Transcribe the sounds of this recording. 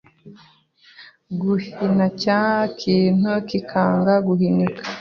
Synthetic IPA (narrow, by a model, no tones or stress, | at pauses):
ɡuhinacakʰiːn̥hukikʰaːŋɡaɡuhinikḁ